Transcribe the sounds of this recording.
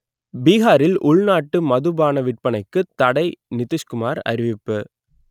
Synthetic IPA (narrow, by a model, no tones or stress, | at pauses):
biːɣaːɾɪlʔʊɭnaːʈːɯmɐðɯbaːnɐʋɪʈ̚pɐnɐɪkːɯt̪ɐɽɐɪnɪt̪ːɪʂkɯmaːɾɐ̰ɾɪʋɪpːɯ